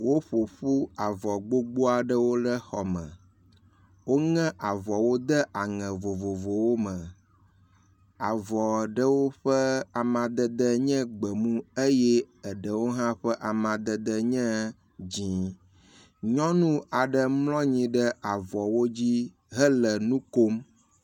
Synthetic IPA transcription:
wo˦ɸo˨ɸu˦a˨vɔ˨ɡ͡bo˦ɡ͡bo˦a˨ɖə˦wo˦ɖə˦xɔ˨mə̰̃˨ | wo˦ŋɛ̃˦ʔa˨vɔ˨wo˦d̪ə˦ʔa˨ŋɛ̃˨vo˨vo˨vo˨wo˦mə̃˨ | a˨vɔ˨ɖə˦wo˦ɸə˦a˨mã˨d̪ə˦d̪ə˦ɲɛ̃˦ɡ͡bə˨mũ˦e˦jɛ˦ | ə˨ɖə˨wo˦ɦã˦ɸə˦ʔa˨mã˨d̪ə˦d̪ə˦ɲɛ̃˦ | d͡ʑĩ˨ | ɲɔ̃˦nũ˦a˨ɖə˨mlɔ̃˦ɲĩ˨ɖə˦a˨vɔ˨wo˦d͡ʑi˦ | ɦə˦lə˨nũ˦ko˦m

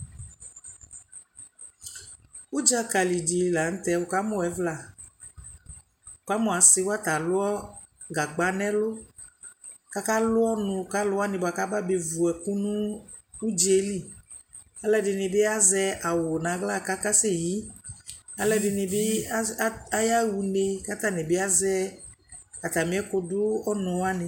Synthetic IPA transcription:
u˦d͡ʒa˦ka˨li˨di˨la˨ŋ̩˦t̪ɛ˧wo˨ka˦mɔ̃˨ɛ˨˦vla˨ | ʊ˨ka˦mɔ̃˨a˨sɪ˦wa˦t̪a˨lʊ˦ɔ˦ | ɡa˨ɡ͡ba˦nɛ̃˦lʊ˦ | ka˦ka˦lʊ˦ɔ˦nũ˧˨ka˦lʊ˦a˦nɪ̃˨ba˨ka˦ba˦be˨vu˨ɛ˨ku˦nũ˦ | u˦d͡ʒe˦li˦˨ | a˦lɛ˦dɪ˧nɪ̃˧bɪ˦a˦zɛ˧a˨wʊ˨nã˨˦ɡla˦˨ka˦ka˦sɪ˦ji˨˦ | a˦lɛ˦dɪ˧nɪ˧bɪ˦ | a˦ja˦wu˧ne˧ka˦t̪a˦˨nɪ˨bɪ˦a˦zɛ˦ | a˨t̪a˨mĩ˦ɛ˦kʊ˧dʊ˦ɔ˦nɔ̃˨wa˦nɪ̃˨

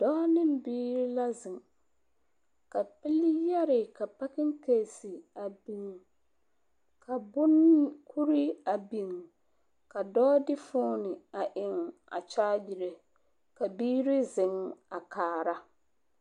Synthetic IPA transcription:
d̥ɔː˦nɪ˦mbiː˦ɾɪ˦la˦zɪ˨ŋ | ka˨pɪ˦lɪ˦jɛ˦ɾɪ˨ka˨pa˦kɪ˦ŋ˦ke˨si˨a˨bi˨ŋ | kʰa˨bʊ˦n˦kʰu˦ɾi˦a˨bi˨ŋ | ka˨dɔː˦dɪ˦fʊː˦nɪ˨a˨ʔɪ˨ŋa̰˨t͡ʃaː˦bi˨ɾe˨ | ka˨biː˦ɾɪ˦zɪ˨ŋa˨kaː˨ɾa˦

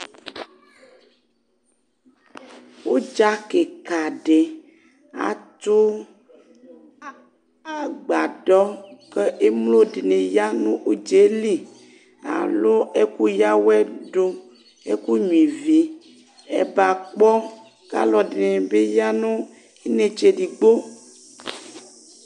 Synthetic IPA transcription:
wo˦d͡ʒa˦ke˨ka˨ɖe˨ | a̰˨t̪o˦ | a˨ɡ͡ba˨ɖɔ˦ke˦ʔe˦mlo˦ɖe˨nẽ˨ja˦nũ˦ʔo˦d͡ʒe˨˦li˦˨ | a̰˨lo˦e˦ku˦ja˦wɛ˦ɖo˦ | ḛ˦ku˦ɲũ˨ĩ˨vi˦ | ḛ˦ba˨k͡pɔ˦ | ka̰˦lɔ˨ɖe˨nẽ˨be˦ja˦nũ˦ | i˦nẽ˦t͡ʃe˨ɖi˨ɡ͡bo˦

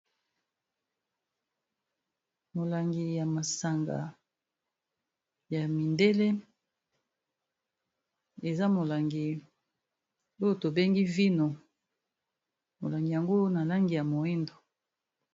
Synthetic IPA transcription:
mo˨la˨ŋɡi˨ja˨ma˨sa˨ŋɡa̰˨ | ja˨mi˨nde˦le˦ | e˨za˦mo˨la˨ŋɡi˨ | o˦jo˨to˨be˦ŋɡi˦vi˦no˨ | mo˨la˨ŋɡi˨ja˨ŋɡo˦na˨la˦ŋɡi˨ja˨mo˨i˦ndo˨

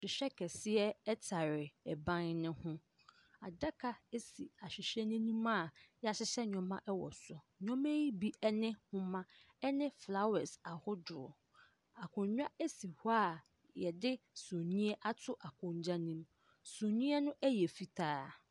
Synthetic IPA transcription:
sɪ˨ɕᶣɛ˦kʰɛ˨sɪ˦ɛ˦ɛ˦tʰa˨ɾɪ˨ɛ˨bã˦nnɪ̃˦hʊ̃˦ | a˨da˦kʰa˨e˦si˨a˨ɕᶣɪ˨ɕɛ˦nɪ̃˦nĩ˦mã˦˨jɛ˦a˨ɕɪ˦ɕɛ˦ɲᶣɔ̃˨mã̰˦ʔɛ˦wɔ̰˨sɔ˨ | ɲᶣɔ̃˦mã˦ji˦bi˦ɛ˦nɪ̃˦hʊ̃˦mã˦ | ɛ˦nɪ̃˦fla˦wɛ˨sa˨hʊ˦dʊ˨ɾʊ̰˨ | a˨kʰʊ̃˨ɲɲᶣã˦e˦si˨hʊ˦a˦˨ | jɛ˨dɪ˦sʊ̃˨ɲĩ˦ɛ˦ʔa˦tʰʊ˦ʔa˨kʰʊ̃˨ɲ˦d͡ʑa˦nĩ˦m | sõ˨ɲĩ˦ɛ˦nʊ̃˦ʔɛ˦jɛ˨fi˦tʰaː˦

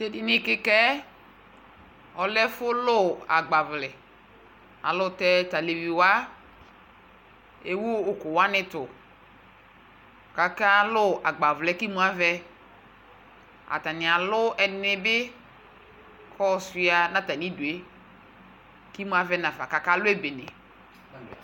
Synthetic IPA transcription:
te˦dɪ˦nɪ˦kɪ˦kɛ˦ | ɔ˨lɛ˦fʊ˦lʊ˦a̰˨ɡ͡ba˨vlɛ˨ | a̰˨lʊ˦tɛ˦ta˨le˨vi˨wa˦ | e˦wuː˦˨kʊ˨wa˦nɪ˦tʊ˨ | ka˨ka˦lʊ˦ʔa˨ɡ͡ba˨vlɛ˨˦ki˦mu˦a˦vɛ˦ | a̰˨ta˨nɪ̃˨a˨lʊ˦ɛ˨nɪ˦bɪ˦ | kʰɔ˦˨si˨˦a˨nã˦ta˨nĩ˦du˨e˦ | ki˦mũ˦a˦vɛ˦nã˨va˨ka˨ka˦lʊ˦e˦be˨nɛ̰˨

